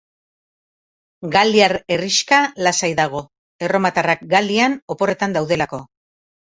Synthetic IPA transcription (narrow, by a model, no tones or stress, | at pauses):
ɡald̪iaɾe̞riʃkalasajðaɣ̞o̞ | e̞ro̞mat̪arakɡald̪iano̞po̞re̞t̪and̪awðe̞lako̞